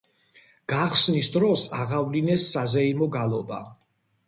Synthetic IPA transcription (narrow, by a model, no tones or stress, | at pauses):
ɡ̥aχsnisd̪ɾɔsaʁavlinɛsːazɛimɔɡalˠɔ̰ba̰